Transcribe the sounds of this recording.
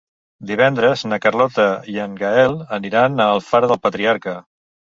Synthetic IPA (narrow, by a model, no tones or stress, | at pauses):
d̪iβ̞ɛnd̪ɾəznəkərlɔt̪əiəŋɡaɛlˠəniɾanəlˠfaɾəðəlˠpət̪ɾiaɾkə